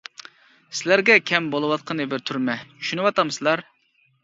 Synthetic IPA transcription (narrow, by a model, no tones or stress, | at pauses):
sɪlæɾɡʲɛkʲʰɛmbolˠɨwɑt̪̚qʰənɨbɪɾt̪ʰuɾmɛt͡ʃʰy̥ʃynɪwɑt̪ɑmsɨlˠɑɾ